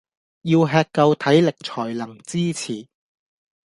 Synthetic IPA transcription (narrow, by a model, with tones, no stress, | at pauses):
jiː˧wɦɛː˧k̚kːɐ˧wt̪ʰɐ˨˥jlɪ˨k̚t͡sʰɔː˨˩jlɐ˨˩ŋt͡siː˥t͡sʰiː˨˩